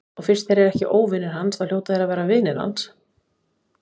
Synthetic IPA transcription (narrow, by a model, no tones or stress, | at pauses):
ɔɣfɪr̥t̪θejɾɛɾɛhcɪʔoːwvɪnɪɾ̥ɦansaðljoːwt̪aθɛɾavɛːɾavɪðnɪna̰ns